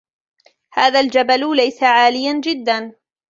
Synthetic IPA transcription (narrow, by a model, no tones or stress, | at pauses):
haːðaːld͡ʒaballajsaʕaːlɪjand͡ʒɪd̪ːan